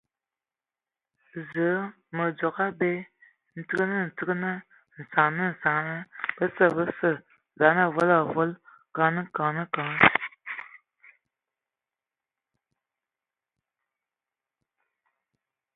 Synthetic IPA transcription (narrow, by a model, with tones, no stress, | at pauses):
zə˨˦ | mə˨d͡zo˨ka˦be˦ | n̩˨tɨ˦ɡnɨ˦n̩˨tɨ˦ɡnɨ˦ | n̩˨sa˨nɨ˦n̩˨sa˨ŋnɨ˦b̥ə˦sə˨bə˦sə˨ | za˨˦na˦˨vo˦la˨vo˦l | ka˨nɨ˦ka˨nɨ˦ka˨˦˨